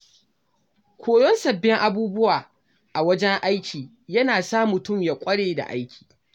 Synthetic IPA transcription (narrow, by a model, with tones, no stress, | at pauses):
kʷʰoː˨jɔ˦nsɐ˨bːɪ˦ŋʔa˦buː˦bʊ˦waː˨ | ʔa˨wɐ˦d͡ʒɛ˦ŋʔa˦jkʲiː˨ | jɐ˦naː˨saː˦mʊ˨tʊ˦˨mja˨kʷʼɐ˦ɽeː˨da̰˨ʔa̰˦jkʲi̥ː˨